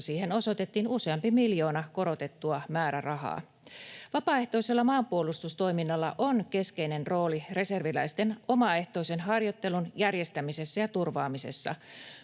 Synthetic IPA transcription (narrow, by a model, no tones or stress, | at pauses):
siːhe̞no̞so̞t̪e̞t̪ːiːnuse̞ɑmpimiljo̞ːnɑko̞ɾo̞t̪e̞t̪ːuɑmæːɾærɑɦɑ̰ː | ʋɑpɑːe̞ht̪o̞ise̞lːɑmɑːmpuo̞lust̪ust̪o̞jminːɑlːɑ̰ʔo̞nke̞ske̞ine̞nro̞ːlire̞se̞rʋilæ̰jst̪e̞no̞mɑe̞ht̪o̞ise̞nɦɑrjo̞t̪ːe̞lunjærje̞st̪æmise̞sːæjɑt̪urʋɑːmise̞̰sːɑ̰